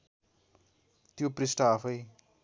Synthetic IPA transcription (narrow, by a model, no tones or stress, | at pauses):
t̪joprisʈaːpʰʌj